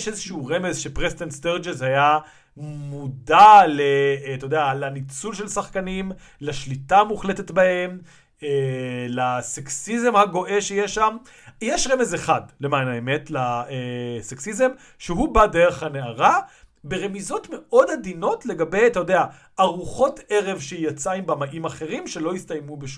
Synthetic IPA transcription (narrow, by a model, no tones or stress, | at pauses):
eʃezeʃuuʁeme̞zʃepʁest̪entst̪eʁd͡ʒezhaja | mudalet̪ojod̪ealanit͡sulʃelsaχkanim | laʃlitamuχle̞tetbahe̞m | elaseksize̞mhaɡo̞ʔe̞ʃejeʃam | jeʃʁemezeχadle̞manaeme̞tlaeseksize̞m | ʃeɦubade̞ʁeχhaneaʁabe̞ʁe̞mizo̞tme̞ʔo̞dhad̪ino̞tle̞ɡabe̞jt̪ajod̪ea | aʁuχo̞te̞ʁe̞vʃejat͡saimbamaʔimaχe̞ʁimʃe̞lo̞ist̪ajmubeʃu